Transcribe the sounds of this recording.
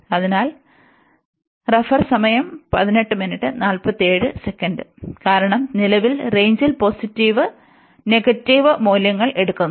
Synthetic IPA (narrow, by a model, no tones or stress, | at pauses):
ɐðinaːl | rɐfɐrsɐmɐjɐmpɐðine̞ʈːɨminiʈːɨnaːlpɐt̪ːieːɻɨsekːɐndɨkaːɾɐɳɐmnilɐʋilre̞jɲd͡ʑilpo̞ːsitːiʋɨ | ne̞ɡɐtːiʋɨmoːljɐŋːɐɭe̞ɽukːunː